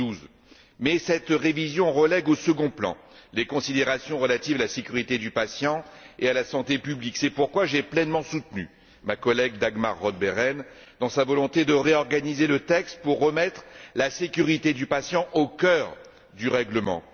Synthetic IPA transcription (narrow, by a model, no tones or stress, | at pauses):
uz | mɛsɛt̪ʁevizjɔ̃ʁəlɛɡosəɡɔ̃plɑ̰̃lekɔ̃sid̪eʁasjɔ̃ʁəlat̪ivalasekʲyʁit̪ed̪ypasjɑ̃ealasɑ̃t̪epybliksɛpuʁkwaʒɛplɛnmɑ̃sut̪ny̰ | makɔlɛɡ̚d̪aɡma̰ʁːɔd̪̚bɛʁɛn | d̪̥ɑ̃savɔlɔ̃t̪ed̪əʁeɔʁɡanizelət̪ɛkst̪puʁːəmɛt̪χlasekʲyʁit̪ed̪ypasjɑ̃ʔokʲœʁ | d̪yʁɛɡləmɑ̰̃